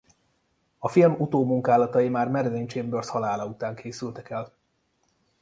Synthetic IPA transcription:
ɒfilmut̪oːmuŋkaːlɒt̪ɒjimaːrmɛɾlent͡ʃeːmbørshɒlaːlɒut̪aːŋkʰeːsylt̪ɛkɛl

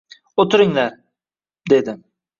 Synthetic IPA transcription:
ot̪ʰɪɾɪŋlaɾ | d̪e̞d̪ɪ

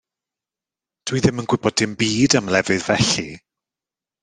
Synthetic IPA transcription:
d̥wiðɪmənɡ̥wɪbɔdɪmbiːdamlɛvɨðvɛɬi

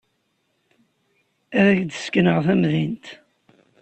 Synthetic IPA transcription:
æðæçd̪əskənəʁθæmðint̪

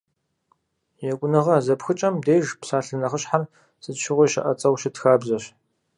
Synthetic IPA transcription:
jɛkʷʼʊnɨʁɐzɐpxɨt͡ʃʼɐmdeːjʒpsaːɬɨnɐχəɕħar | sɨtʃɪʁʷiʃɪ̰ʔɐt͡sʼɐwʃɪtxaːbzɐɕ

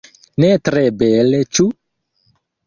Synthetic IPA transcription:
nɛt̪ɾɛbɛlet͡ʃu

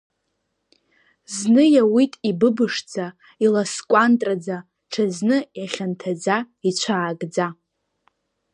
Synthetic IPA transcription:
znɨjawitʼibɨbɨʂd͡za | ilaskʷʼantʼrad͡za | ʈ͡ʂʰaznɨjaχʲantʰad͡za | it͡ɕʷʰaːɡd͡za

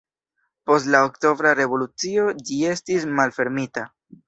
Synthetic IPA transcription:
po̞stlaokto̞vɾaɾe̞vo̞lut͡sio̞d͡ʒie̞stis̬malfe̞ɾmita

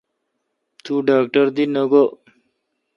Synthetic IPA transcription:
t̪uɖaːk̚ʈəɾd̪inəɡo

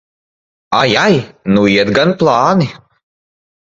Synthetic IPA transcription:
ajajnuiɛd̪ɡanplˠɑːni

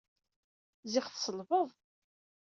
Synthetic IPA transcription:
zɪχθsəlvəðˤ

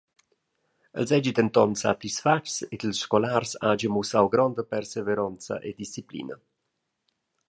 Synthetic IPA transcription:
ə̰lzɛd͡ʒit̪ənt̪ɔnsa̰t̪isfaʈset̪əlsʃkɔlarsad͡ʒəmusawɡɾɔnd̪əpɛrseveɾɔnt̪t͡sə̰ʔed̪ist͡siplḭːnə

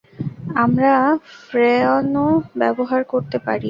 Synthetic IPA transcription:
amɾafɾeonobɛboɦaɾkoɾt̪epa̰ɾi

